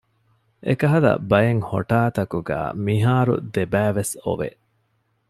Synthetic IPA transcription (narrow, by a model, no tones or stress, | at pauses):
ʔḛkɐɦɐlɐ̰bɐjeŋho̰ʈaːt̪ɐkuɡæ̰ːmiɦaːɾṵd̪ebæːʋeso̰ʋḛʔ